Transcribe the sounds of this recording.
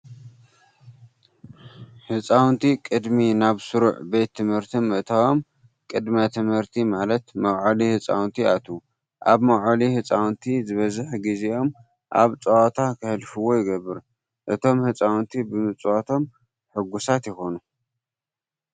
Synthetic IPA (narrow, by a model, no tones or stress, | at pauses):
ħɨt͡sʼawnt̪ʰikʼɨd̪minaβsɨɾuʕbe̞t̪ʰːɨmhɨɾt̪ʰimːɨʔɨt̪ʰawo̞m | kʼɨd̪mat̪ʰɨmhɨɾt̪ʰimalɐt̪mɐwʕalihɨt͡sʼa̰wnt̪ʰiat̪ʰu | ʔaβmɐwʕalihɨt͡sʼawnt̪ʰizɨβɐzɨħɡizeʔo̞m | ʔa̰βt͡sʼɐwat̪ʰakʰɨhɨlfɨwo̞jɪɡɐβːɨɾ | ʔɨt̪ʰo̞mhɨt͡sʼawnt̪ʰibɨmɨt͡sʼwat̪ʰo̞m | ħɨɡusat̪jɪxo̞nu